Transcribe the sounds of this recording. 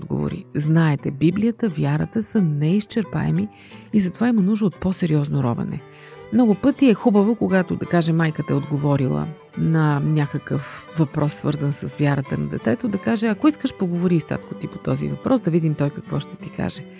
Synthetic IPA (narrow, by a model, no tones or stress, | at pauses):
d̪ɡo̰vo̰ɾḭznaɛt̪ɛbiblijət̪əvʲjaɾət̪əsənɛist͡ʃɛɾpa̰ɛ̰mi | izɐt̪ovaimɐnuʒd̪əot̪̚pɔsɛɾiɔznoɾɔ̰vɐ̰nɛ̰ | mnɔɡʊpɤt̪iɛxubəvokoɡat̪od̪ɐkaʒɛmajkət̪ɐɛod̪ɡovɔɾilˠə̰ | nɐnʲakəkəfvɐpɾʔɔsːvɤɾzənsɐsvʲjaɾət̪ənɐd̪ɛt̪ɛt̪od̪ɐkaʒɛɐkoiskəʃpoɡovoɾiːst̪a̰t̪kot̪ipo̥t̪ɔzḭvɐpɾʔɔsd̪ɐvid̪imt̪ɔjkɐkvɔʃt̪ɛ̥t̪ika̰ʒɛ